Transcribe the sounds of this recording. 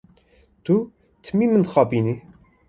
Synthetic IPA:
t̪u | t̪ʰɨmiːmɨnxɑːbiːni

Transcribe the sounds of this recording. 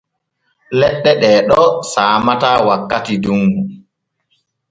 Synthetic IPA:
lɛɗːɛɗɛːɗɔsaːmatawakːatiduŋɡu

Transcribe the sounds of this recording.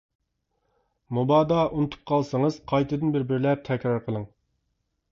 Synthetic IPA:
mubɑːd̪ɑʔunɨt̪ʰu̥p̚qʰɑlˠsəŋəz̥qʰɑjt̪ʰɨd̪ɨnbɪɾbɪɾlɛp̚t̪ʰɛkʲɾɑɾqʰəlˠɨŋ

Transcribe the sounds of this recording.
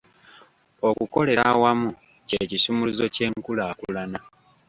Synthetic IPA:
o̞kuko̞le̞ɾawamu | cecisumuluzo̞ce̞ːŋkulaːkulana

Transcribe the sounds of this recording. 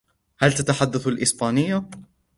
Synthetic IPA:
halt̪at̪aħad̪ːaθalʔɪsbaːnɪjːa

